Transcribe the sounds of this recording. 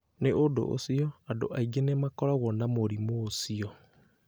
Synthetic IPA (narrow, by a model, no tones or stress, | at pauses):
neʔodo̰ʔo̰siɔado̰ʔaiɡenemakɔɾaɣɔnamoɾimoːsiɔ